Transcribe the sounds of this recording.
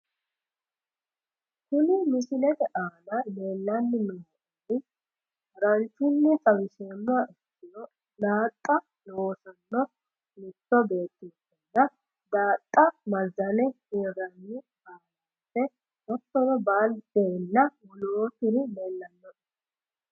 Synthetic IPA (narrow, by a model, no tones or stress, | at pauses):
kʊnɪmɪʃɪlɛt̪ɛʔaːnɐleːlːɐnːɪnɔo | ɪ | ɾɐnt͡ʃːɪnːɪt͡sʼɐwɪʃeːmːʊaʔɪsːɪnɔ | d̪aːt̪ʼːɐ | nooːsɐnːɔ | mɪt̪ːɔbe̞ːt̪ːɪsɛnːɐ | d̪aːt̪ʼːɐmɐzɐnɛhiːɾɐnːɪ | aːnɐ | sːɛ | ʔɐt̪ːɔnɔbaːld̪̥ɛnːɐwʊloːtɪɾɪleːlːɐnːɔ